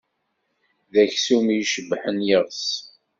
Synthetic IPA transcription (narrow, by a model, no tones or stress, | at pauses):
ðæçsumijʃəbːħənjəʁs